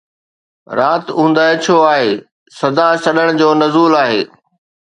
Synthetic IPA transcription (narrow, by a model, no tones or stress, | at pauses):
ɾaːt̪ũːnd̪aːɪt͡ɕʰoːaːɦeː | sɐd̪asɐɗəɽ̃d͡ʑoːnɐzuːlaːɦeː